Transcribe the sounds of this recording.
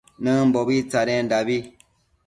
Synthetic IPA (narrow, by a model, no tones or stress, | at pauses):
nɨm̩bɔbit͡saɾɛn̩dabi